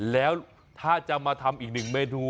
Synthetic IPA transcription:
lɛː˦˥w | t̪ʰaː˥˩t͡ɕa˨˩maː˧t̪ʰa˧mʔiː˨˩k̚nɯ˨˩ŋmeː˧nʰuː˧

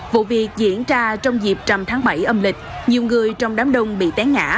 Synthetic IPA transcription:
vṵ˧˨vi˨˩ək̚zḭ˧˥ənt͡ɕaː˧t͡ɕɔ˧wŋ͡mzi˨˩p̚t͡ɕa˨˩mt̪ʰaː˨˦ŋɓa˧˩jʔə˧mlï˨˩k̟̚ɲi˨˩wŋɨ˨˩əjt͡ɕɔ˧wŋ͡mɗaː˨˦mɗə˧wŋ͡mɓḭ˧˨t̪ɛ˨˦ŋŋa̰ː˧˥

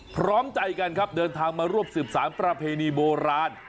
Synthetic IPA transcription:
pʰɾɔː˦˥mt͡ɕa˧jka˧nkʰa˦˥p̚dɤː˧nt̪ʰaː˧ŋmaː˧ɾu˥˩əp̚sɯː˨˩p̚saː˩˦npɾa˧pʰeː˧niː˧boː˧ɾaː˧n

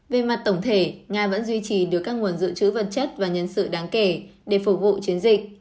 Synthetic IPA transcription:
ve˨˩ma˨˩t̚t̪ə˧˩wŋ͡mt̪ʰe˧˩ŋaː˧və̰˧˥nzwi˧t͡ɕi˨˩ɗɨ˨˩əkːaː˦˥k̚ŋu˨˩ənzɨ̰˧˨t͡ɕɨ̰˧˥və˨˩t̚t͡ɕə˦˥t̚vaː˨˩ɲə˧nsɨ̰˧˨ɗaː˨˦ŋke˧˩ɗe˧˩fʊ˨˩k͡p̚vṵ˧˨t͡ɕi˨˦ənzï˨˩k̟̚

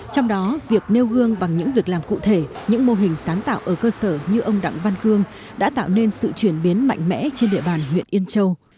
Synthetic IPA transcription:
t͡ɕɔ˧wŋ͡mɗɔ˨˦vi˨˩ək̚ne˧wɣɨ˧əŋɓa˨˩ŋɲɨ̰˧˥ŋvi˨˩ək̚laː˨˩mkṵ˧˨t̪ʰe˧˩ɲɨ̰˧˥ŋmo˧ɦï˨˩ŋ̟saː˨˦nt̪a̰ː˧˨wʔəː˧˩kəː˧səː˧˩ɲɨ˧ʔə˧wŋ͡mɗa̰˧˨ŋva˧nkɨ˧əŋ | ɗa̰ː˧˥t̪a̰ː˧˨wne˧nsɨ̰˧˨t͡ɕwi˧˩ənɓi˨˦ənma̰˧˨jŋ̟mɛ̰˧˥t͡ɕe˧nɗḭ˧˨əɓaː˨˩nɦwḭ˧˨ənʔi˧ənt͡ɕə˧w

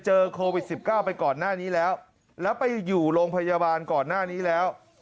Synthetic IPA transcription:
t͡ɕɤː˧kʰoː˧wi˨˩t̪̚si˨˩p̚kaː˥˩wpa˧jkɔː˨˩nːaː˥˩niː˦˥lɛː˦˥w | lɛː˦˥wpa˧jːuː˨˩ɾoː˧ŋpʰa˧ja˧baː˧nkɔː˨˩nːaː˥˩niː˦˥lɛː˦˥w

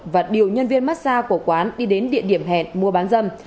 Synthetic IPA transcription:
vaː˨˩ɗi˨˩əwɲə˧nvi˧ənmaː˦˥t̚saː˧ku˧˩əkwaː˨˦nɗi˧ɗe˨˦nɗḭ˧˨əɗi˧˩əmɦɛ̰˧˨nmu˧əɓaː˨˦nzə˧m

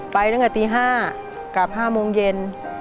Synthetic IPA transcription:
pa˧jɾɯ˥˩ŋka˧˩t̪iː˧ɦaː˥˩ | ka˨˩p̚haː˥˩moː˧ŋje˧n

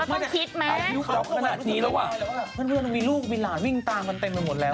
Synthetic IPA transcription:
ma˥˩˨kʰi˦˥t̪̚ma˦a˧ju˦˥k̚t͡ɕɔ˦˥p̚kʰa˧naː˨˩t̪̚niː˦˥la˨˦waː˨˩˧waː˥˩˨mʰa˥˩nkʰɯ˧˨na˧miː˧luː˥˩k̚mi˧laː˩˦nwi˥˩ŋt̪aː˧ŋka˧nt̪e˧mpa˧jmo˨˦t̪̚lɛː˦˥

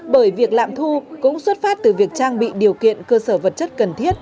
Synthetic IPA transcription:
ɓəː˧˩jvi˨˩ək̚la̰ː˧˨mt̪ʰu˧kʊ̰˧˥ŋ͡mswə˦˥t̚faː˦˥t̚t̪ɨ˨˩vi˨˩ək̚t͡ɕaː˧ŋɓḭ˧˨ɗi˨˩əwkḭ˧˨ənkəː˧səː˧˩və˨˩t̚t͡ɕə˦˥t̚kə˨˩nt̪ʰi˦˥ət̚

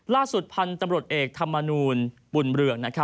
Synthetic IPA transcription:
laː˥˩su˨˩t̪̚pʰa˧nt̪a˧mɾu˨˩ə˩t̪̚ʔeː˨˩k̚t̪ʰa˧mːa˧nuː˧n | bu˨˩nɾɯ˨˩əŋna˦˥kʰa˦˥

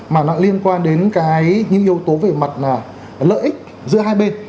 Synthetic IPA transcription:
maː˨˩nɔ̰˧˥li˧ənkwaː˧nɗe˨˦nkaː˨˦jɲɨ̰˧˥ŋʔi˧əwt̪o˨˦ve˨˩ma˨˩t̚naː˨˩ | lə̰ː˧˨ʔi˦˥k̟̚ | zɨ̰˧˥əɦaː˧jɓe˧n

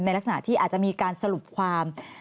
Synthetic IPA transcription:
na˧jɾksa˧na̰˧˥t̪ʰiː˥˩ʔaː˨˩t͡ɕa˨˩ʔmiː˧kaː˧nsa˧ɾu˨˩p̚kʰwaː˧m

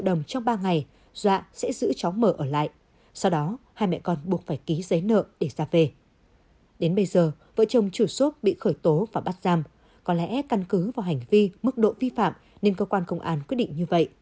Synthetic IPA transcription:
ɗə˨˩wŋ͡mt͡ɕɔ˧wŋ͡mɓaː˧ŋa˨˩j | z̥wa̰ː˧˨sɛ̰˧˥zɨ̰˧˥t͡ɕa˨˦wŋ͡mməː˧˩ʔəː˧˩la̰ː˧˨jʔ | sa˧wɗɔ˨˦haː˧jmɛ̰˧˨jkɔ˧nɓu˨˩ət̚faː˧˩jki˨˦zə˨˦jnə̰ː˧˨ɗe˧˩zaː˧ve˨˩ | ɗe˨˦nɓə˧jzəː˨˩ | və̰˧˨t͡ɕə˨˩wŋ͡mt͡ɕu˧˩su˦˥t̚ɓḭ˧˨xəː˧˩jt̪o˨˦vaː˨˩ɓaː˦˥t̚z̥aː˧m | kɔ˨˦lɛ̰˧˥ka˧nkɨ˨˦vaː˨˩wɦjŋ̟vi˧mɨ˦˥k̚ɗo̰˧˨vi˧fa̰ː˧˨m | ne˧nkəː˧kwaː˧nkə˧wŋ͡mʔaː˧nkwi˦˥t̚ɗḭ˧˨ŋ̟ɲɨ˧və̰˧˨jʔ

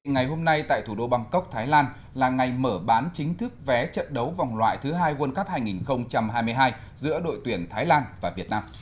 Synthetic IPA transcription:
ŋa˨˩jɦo˧mna˧jt̪a̰ː˧˨jt̪ʰu˧˩ɗo˧ɓa˧ŋkə˦˥wk͡p̚t̪ʰaː˨˦jlaː˧n | laː˨˩ŋa˨˩jməː˧˩ɓaː˨˦nt͡ɕï˨˦ŋ̟t̪ʰɨ˦˥k̚vɛ˨˦t͡ɕə̰˧˨nɗə˨˦wva˨˩wŋ͡mlwa̰ː˧˨jt̪ʰɨ˨˦ɦaː˧jɣwnkə˦˥p̚haː˧jŋi˨˩nxə˧wŋ͡mt͡ɕa˧mɦaː˧jmɨ˧jɦaː˧j | zɨ̰˧˥əɗo̰˧˨jt̪wi˧˩ənt̪ʰaː˨˦jlaː˧nvaː˨˩vi˨˩ət̚naː˧m

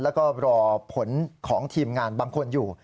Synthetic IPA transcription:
lɛː˦˥wkɔː˥˩ɾɔː˧pʰo˩˦nkʰɔː˩˦ŋt̪ʰiː˧mŋaː˧nbaː˧ŋkʰo˧njuː˨˩

